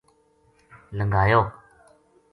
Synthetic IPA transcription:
ləŋɡaːjoː

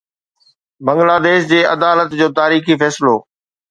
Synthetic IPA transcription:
bɐ̃ŋɡlaːd̪eːʃd͡ʑeːɐ̰d̪aːlət̪d͡ʑoːt̪aːɾiːxifɛːsɪloː

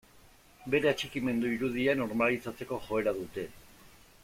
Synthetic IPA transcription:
be̞ɾe̞at͡ʃikime̞nd̪uiɾuðiano̞ɾmalit͡sat͡se̞ko̞ʝo̞e̞ɾaðut̪e̞

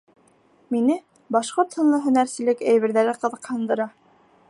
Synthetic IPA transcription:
minɘ | bɑʃqoɾt̪hŏnlˠɤɦɵ̆næɾsɘ̆lɘkæjβɘ̆ɾðæɾɘqɤ̆ðɤ̆qhɤ̆nd̪ɤ̆ɾɑ

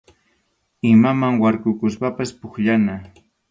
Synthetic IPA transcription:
ɪmamaŋwaɾkʊkʊspapaspʊkʎana

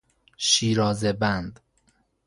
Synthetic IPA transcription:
ʃiːɾɒːzebænd̪

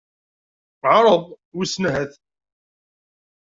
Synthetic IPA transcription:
ʕɾˤəðˤ | wisnɦæθ

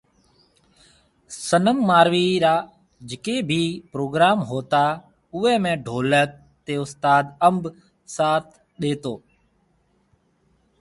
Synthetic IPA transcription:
sənəmːaːɾʋiːɾaː | d͡ʒɪkeːbʱiːpɾoːɡɾaːmɦoːt̪aː | ʊʋɛːmẽːɖʱoːlək̚ | t̪eːʊst̪aːd̪əmb | saːt̪ʰ | ɗeːt̪oː

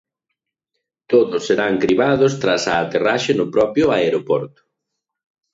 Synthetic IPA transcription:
t̪oðʊsːeɾaŋkɾiβaðʊst̪ɾasaːt̪eraʃenʊpɾɔpjʊaeɾopɔɾt̪ʊ̥

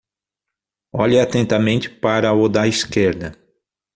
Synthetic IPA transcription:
ɔʎɪat̪ẽnt̪ɐmẽnt͡ʃ̪ɪ̥paɾɐod̪ɐiskeɾd̪ɐ

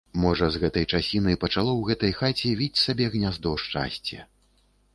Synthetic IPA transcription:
mɔʐɐzɣɛt̪ɐjt͡ʂasʲinɨjpɐt͡ʂalˠɔwɣɛt̪ɐjxat͡sʲɛvʲit͡sʲsabʲɛɣnʲazd̪ɔwʂt͡ʂa̰sʲt͡sʲɛ̰

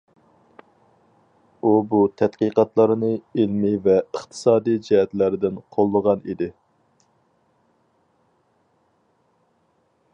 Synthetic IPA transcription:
ubut̪ʰɛt̪qiqɑt̪lˠɑɾɨnɨilmivɛəχt̪ʰɨ̥sɑːd̪ijd͡ʒɛɦɛt̪læɾɪd̪ɪnqʰolˠːəʁɑnḭd̪ɪ

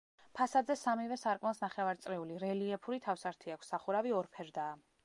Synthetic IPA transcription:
pʰasad̪zɛsamivɛsaɾkʼmɛlˠsnaχɛvaɾt̪sʼɾɛuliɾɛliɛpʰuɾit̪ʰafsaɾt̪ʰiakʷʰsːaχuɾaviɔɾpʰɛɾd̪aː

